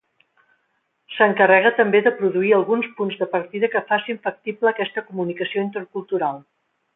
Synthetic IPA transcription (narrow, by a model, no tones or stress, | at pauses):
səŋkərɛɣ̞ət̪əmbeðəpɾuðuiəlˠɣunspunzðəpəɾt̪iðəkəfasiɱfək̚t̪ipləːkɛst̪əkumunikəsioint̪əɾkulˠt̪uɾalˠ